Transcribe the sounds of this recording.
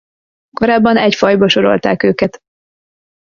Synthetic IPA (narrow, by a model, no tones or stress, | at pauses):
ko̞ɾaːbːɒnɛcfɒjbɒʃo̞ɾo̞̰lt̪a̰ːkøːkɛt̪